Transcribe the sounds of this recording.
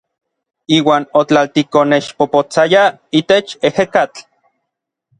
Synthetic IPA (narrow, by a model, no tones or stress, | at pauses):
iːwaːnot͡ɬalt̪ikonet͡ʃpopot͡saja | it̪et͡ʃehekat͡ɬ